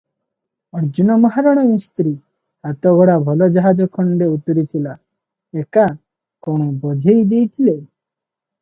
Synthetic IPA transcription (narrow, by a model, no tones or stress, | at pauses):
ɔɾd͡ʒunɔmɔɦaɾɔɽ̃ɔmist̪ɾi | hat̪ɔɡɔɽabʱɔlɔd͡ʒɔɦad͡ʒɔkʰɔɳɖeut̪ɔɾit̪ʰila | eka | kɔɽ̃ɔbɔd͡ʒʱejd̪ejt̪ʰile